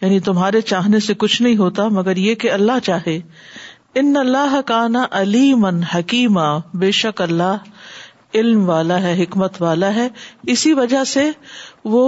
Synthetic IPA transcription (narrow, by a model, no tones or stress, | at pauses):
jaːnit̪ʊmɦaːɾet͡ʃaːɦnesekʊt͡ʃʰnɐɦĩɦoːt̪amɐɡəɾjekeɐlːaɦt͡ʃaːɦe | ɪnːɐlːaːɦkaːnaʔɐliːmənhɐkiːmabeːʃɐkɐlːaːɦ | ɪlmʋaːlaɦɛɦɪkmət̪ʋaːlaɦɛːɪsiʋɐd͡ʒaseʋo